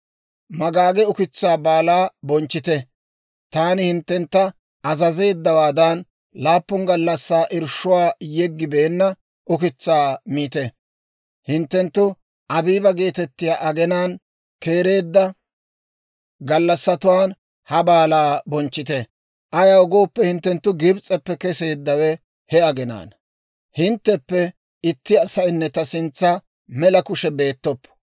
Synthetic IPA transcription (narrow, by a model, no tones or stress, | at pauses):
mɐɡaːɡɛʊkɪt͡sːaːbaːlaːbɔnt͡ʃːɪt̪ɛ | t̪aːnɪhɪnt̪ːɛnt̪ːɐ | ʔɐzɐze̞ːd̪ːɐwaːd̪ɐn | laːpːʊŋɡɐlːɐsːaːʔɪɾʃʊwaːjɛɡːɪbeːnːɐ | ʔʊkɪt͡sːaːmiːt̪ɛ | hɪnt̪ːɛnt̪ːʊ | ʔɐbiːbɐɡe̞ːt̪ɛt̪ːɪjaːʔɐɡɛnaːn | ke̞ːɾe̞ːd̪ːɐ | ɡɐlːɐsːɐt̪ʊwaːn | hɐbaːlaːbɔnt͡ʃːɪt̪ɛ | ʔɐjɐɔɡo̞ːpːɛhɪnt̪ːɛnt̪ːʊɡɪbt͡sʼɛpːɛkɛse̞ːd̪ːɐwɛ | hɛɐɡɛna̰ːn | hɪnt̪ːɛpːɛ | ɪt̪ːɪɐsɐjnːɛt̪ɐsɪnt͡sːɐ | mɛlɐkʊʃɛbe̞ːt̪ːɔpː